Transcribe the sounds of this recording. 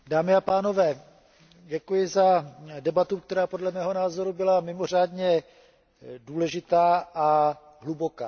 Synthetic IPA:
daːmɪapaːno̞vɛː | ɟɛkujɪzadɛbat̪uk̚t̪ɛɾaːpo̞dlɛmɛːɦo̞naːzo̞ɾubɪlamɪmo̞r̝aːdɲɛ | duːlɛʒɪt̪aːʔa | ɦlubo̞ka̰ː

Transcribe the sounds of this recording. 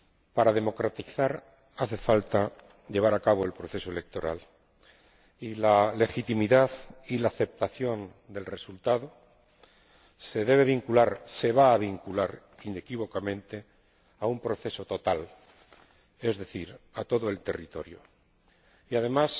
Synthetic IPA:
paɾaðe̞mo̞kɾat̪iθaɾ | aθe̞falt̪a | ʎe̞β̞aɾakaβ̞o̞e̞lpɾo̞θe̞soe̞le̞k̚t̪o̞ɾa̰l | ilale̞xit̪imiðaðilaːθe̞p̚t̪aθjo̞n | d̪e̞lre̞sult̪aðo | se̞ð̞e̞β̞e̞β̞iŋkulaɾse̞βaːβiŋkulaɾ | ine̞kiβo̞kamẽ̞nt̪e̞ | aumpɾo̞θe̞so̞t̪o̞t̪al | e̞zðe̞θiɾat̪o̞ðoe̞lt̪e̞rit̪o̞ɾjo̰ | iað̞e̞mas

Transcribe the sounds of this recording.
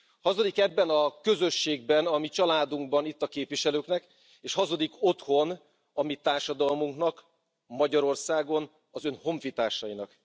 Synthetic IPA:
hɒzo̞d̪ikɛbːɛnɒkø̞zø̞ʃːeːɡ̚bɛnɒmit͡ʃɒlaːd̪uŋɡ̚bɒnit̪ːɒkeːpʋiʃɛløːknɛk | eːʃhɒzo̞d̪iko̞t̪ho̞n | ɒmit̪aːrʃɒd̪ɒlmuŋknɒk | mɒɟɒɾo̞rsaːɡo̞n | ɒzønho̞ɱfit̪aːrʃɒjinɒk

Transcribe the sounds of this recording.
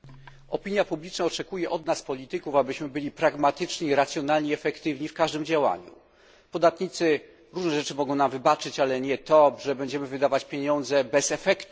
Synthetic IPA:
ɔpʲiɲjapublʲit͡ʂnaɔt͡ʂɛkujɛʔɔd̪naspɔlʲit̪ɘkufabɘɕmɘbɘlʲipɾaɡmat̪ɘt͡ʂɲiiɾat̪sjɔn̪alɲeɛfɛkt̪ɘvɲifkaʐd̪ɘmd͡ʑawa̰ɲṵ | pɔd̪at̪ɲit̪sɘ | ɾuʐnɛʐɛt͡ʂɘmɔɡɔ̃w̃namvɘbat͡ʂɘt͡ɕalɛɲɛt̪ɔʐɛbɛɲd͡ʑɛmɘvɘd̪avat͡ɕpʲjeɲɔnd̪zɛbɛsɛfɛkt̪

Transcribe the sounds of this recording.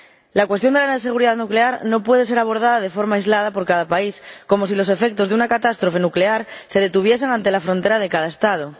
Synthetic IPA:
lakwe̞st̪jond̪elanese̞ɣ̞uɾiðaðnukleaɾno̞pwe̞ðe̞se̞ɾaβ̞o̞ɾð̞aðaðefo̞ɾmajzlað̞apo̞ɾkaðapaisko̞mo̞s̬ilo̞se̞fek̚t̪o̞zðunakat̪ast̪ɾofe̞nukleaɾse̞ð̞e̞t̪uβ̞je̞s̬eŋant̪e̞lafɾo̞nt̪eɾaðe̞kaðaest̪að̞o

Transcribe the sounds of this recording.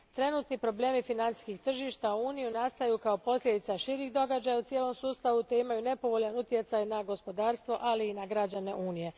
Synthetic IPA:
t̪ɾe̞nuːt̪nipɾo̞ble̞ːmifinant̪si̥skixt̪r̩ʒiːʃt̪auuːnijunast̪ajukao̞po̞slʲed̪it̪saʃiɾiːxd̪o̞ɡad͡ʑajaut̪sjeːlo̞msuːst̪aʋut̪eimajuːne̞po̞ʋo̞ʎanut̪je̞t̪sajnaɡo̞spo̞d̪aːɾst̪ʋo̞ʔaliːnaɡɾad͡ʑane̞ʔuːnije̞

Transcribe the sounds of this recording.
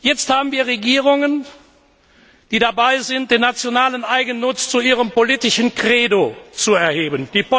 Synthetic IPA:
jɛt͡sthaːbn̩viːɐʁeɡiːʁʊŋən | d̥iːdabaɪzɪnt̚d̥eːnːat͡sjonaːlənʔaɪɡən̩ːʊt͡st͡suiːʁəmpoliːtɪʃənkʁ̥eːdot͡suɛɐheːbənd̥iːpo

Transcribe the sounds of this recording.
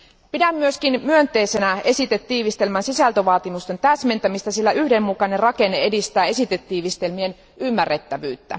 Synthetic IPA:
pidæmːyøskinmyønt̪e̞ːse̞næe̞sit̪et̪ːiːʋist̪e̞lmænsisælt̪øʋɑːt̪imust̪e̞nt̪æːsme̞nt̪æmist̪æsilːæʔyhde̞mːukɑnerɑke̞nːee̞dist̪æːe̞sit̪et̪ːiːʋist̪e̞lmien | ymːæret̪ːæʋyːt̪ːæ̰

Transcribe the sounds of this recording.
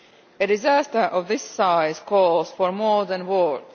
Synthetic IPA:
ɨdɪzæstə˞ʔɔvðɪsːaɪzkʰɔlˠzfɔɹmɔɹðæ̃nwɔd

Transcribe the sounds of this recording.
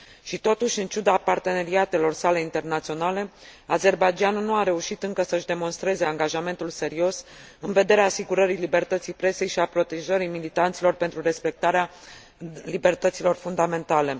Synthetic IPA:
ʃit̪o̞t̪uʃʲɨnt͡ʃud̪apart̪e̞ne̞ɾiat̪e̞lo̞rsale̞int̪e̞rnat̪sio̞nale̞aze̞rbad͡ʒianunuaɾe̞uʃit̪ɨŋkəsəɨʃd̪e̞mo̞nst̪ɾe̞ze̞aŋɡaʒame̞nt̪ulse̞ɾio̞s | ɨnve̞d̪e̞ɾeaːsiɡuɾəɾilibe̞rt̪ət̪sijpɾe̞se̞jʃiapɾo̞t̪e̞ʒəɾimilit̪ant̪silo̞rpe̞nt̪ɾure̞spe̞k̚t̪aɾea | libe̞rt̪ət̪silo̞rfund̪ame̞nt̪ale̞

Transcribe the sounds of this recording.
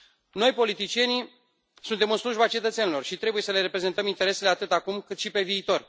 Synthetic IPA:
no̞jpo̞lit̪it͡ʃije̞ni | sunt̪e̞mɨnsluʒbat͡ʃe̞t̪ət̪se̞nilo̞rʃit̪ɾe̞buje̞səle̞ɾe̞pɾe̞zet̪əmint̪e̞ɾe̞seleat̪ɨt̪akumkɨt̪ʃipe̞viːt̪o̞r

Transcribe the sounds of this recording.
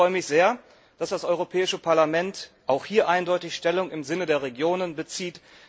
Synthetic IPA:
ɔʏəmɪçz̥eːɐ | d̥asd̥asʔɔʏʁ̞opʰɛːɪʃəpʰaɐlamɛntʔaʊxhiːɐʔaɪndɔʏtɪçʃtɛlʊŋɪmzɪnədeːɐʁ̞eɡjoːnənbət͡siːt

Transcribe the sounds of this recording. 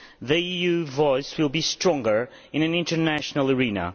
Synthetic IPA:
ðɨijʉvɔɪswɪlˠbistɹ̥ɔ̃ŋɡə˞ | ɨ̃nɨ̃nɪ̃ntə˞næʃnəl̩ˠə˞ĩnə̰

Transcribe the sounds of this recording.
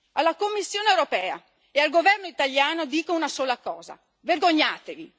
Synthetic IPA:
alːakomːisːjoːnewɾopɛːa̰ | ealɡovɛrnoit̪aljaːnod̪iːkounasoːlakɔːza̰ | verɡoɲːaːt̪evi

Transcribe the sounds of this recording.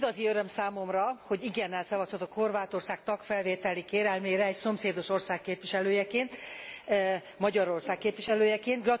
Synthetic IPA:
ɡɒziøɾø̞msaːmo̞mrɒho̞ɟiɡɛnːɛlsɛvɒsʰot̪okho̞rvaːt̪o̞rsaːk̚t̪ɒkfɛlveːt̪ɛlikeːɾɛlmeːɾɛːcso̞mseːd̪o̞ʃo̞rsaːkːeːpvʋiʃɛløːjɛkeːnt̪ | mɒɟɒɾo̞rsaːkːeːpʋiʃɛløːjɛkeːnt̪ɡlɒ

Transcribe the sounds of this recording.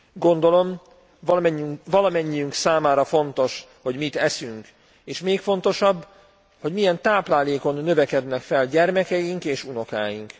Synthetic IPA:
ɡo̞nd̪o̞lo̞m | ɛɲyvɒlɒmɛɲːiyŋksaːmaːɾɒfo̞nt̪o̞ʃho̞ɟmit̪ɛsyŋk | eːʃmeːkfo̞n̪t̪o̞ʃɒbː | ho̞ɟmijɛnt̪aːplaːleːko̞nːø̞vɛkɛd̪nɛkfɛlɟɛrmɛkɛjiŋkeːʃuno̞ka̰ːjiŋk

